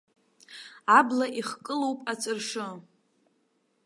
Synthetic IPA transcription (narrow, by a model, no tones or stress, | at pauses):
ablaʔiχkʼɨlowpʼat͡sʼɨrʂɨ